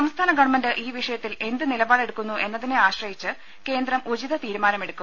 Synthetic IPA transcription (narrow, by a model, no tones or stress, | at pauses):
ɐmst̪ʰaːnɐɡɐɳmɐndɨʔiːʋiʂɐjɐt̪ːile̞nd̪ɨnilɐbaːɭe̞ɽukːunːuʔe̞nːɐðineaːɕrɐjit͡ɕːɨ | ke̞ːnd̪rɐmʔud͡ʑiðɐt̪iːɾumaːnɐme̞ɽukːum